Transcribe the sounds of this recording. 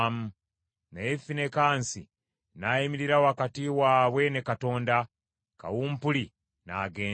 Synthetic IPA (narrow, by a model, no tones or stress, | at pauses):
mu | najefine̞kaːnsi | naimiɾiɾawakatiwaːβwe̞ne̞kato̞ːnda | ka̰wuːmpuli | na̰ɡeː